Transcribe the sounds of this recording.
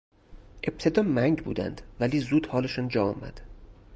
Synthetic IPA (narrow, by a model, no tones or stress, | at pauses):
ʔe̞b̥̚t̪ʰe̞d̪ɒːmæŋɟbṵːd̪æ̰nd̪̥væliːzuːd̪̥hɒːleʃɒːnd͡ʒɒːɒ̰ːmæ̰d̪̥